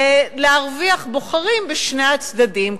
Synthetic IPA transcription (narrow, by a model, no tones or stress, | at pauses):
leaʁviaχboχaʁimbeʃneat͡sd̪adim